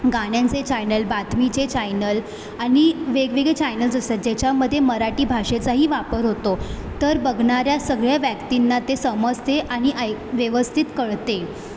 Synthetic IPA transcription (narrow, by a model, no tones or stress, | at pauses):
ɡaɽ̃jãnt͡set͡ɕajnəlbat̪mit͡ɕet͡ɕajnəl | aɽ̃iʋeɡʋiɡet͡ɕajnəld͡zəsət̪̚d͡ʑat͡ɕaməd̪ʱːjeməɾaʈiːbʱaʂet͡saɦiːʋapəɾɦot̪ot̪əɾbəɡʱɳaɾjasəɡɭjaʋjækt̪inːat̪esəməd͡zt̪ʰeʔaɽ̃iʔəjʋjəʋəst̪ʰit̪kəɭt̪e